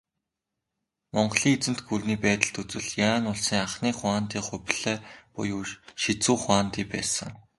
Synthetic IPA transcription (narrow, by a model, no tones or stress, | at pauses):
mɔɴɢɮiːŋet͡sɘ̆n̥t̪ɡurniːpæːt̪ə̆ɬt̪ut͡swɘ̆ɮjaːnʊɮsiːŋaχniːχʊaːnt̪iːχʊpʲɮ̥æːpɔ̰jʊːʃit͡suːχwaːnt̪iːpæ̰ːsə̆ŋ